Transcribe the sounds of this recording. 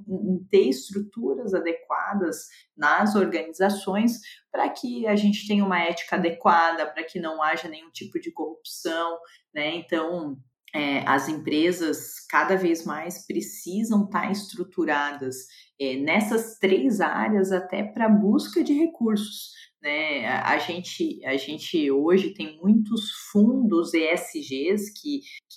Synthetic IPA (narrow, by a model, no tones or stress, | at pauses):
t̪eɾɪst̪ɾut̪uɾɐzad̪ekwa̰d̪ɐz | nɐzoɾɡɐnizasõj̃spɾɐkʰɪɐʒẽnt͡ʃɪ̥t̪ẽɲ̃ɐũmɐɛt͡ʃi̥kɐad̪ekwad̪ɐpɾɐkɪnɐ̃w̃aʒɐnẽj̃ũt͡ʃipʊd͡ʒɪkohupsɐ̃w̃ | nɛẽnt̪ɐ̃w̃ | ɛɐ̰zẽmpɾezɐskad̪ɐvezmajspɾesizɐ̃w̃t̪a̰ɾɪst̪ɾut̪uɾad̪ɐs | ɛnɛsɐst̪ɾejza̰ɾiɐzat̪ɛ̰pɾɐbuskɐd͡ʒɪɦekuɾsʊ̥snɛ̰ɐ̰ʒẽnt͡ʃɪɐʒẽnt͡ʃɪoʒɪt̪ẽj̃mũj̃t̪ʊsfũnd̪ʊzeɛsɪʒeskʰɪk